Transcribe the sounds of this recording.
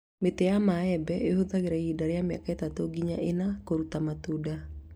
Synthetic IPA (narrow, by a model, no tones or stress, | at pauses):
met̪eamaɛbɛeɦod̪aɡeɾaidaɾjamja̰kaet̪at̪oɡiɲaʔenakoɾut̪amat̪uda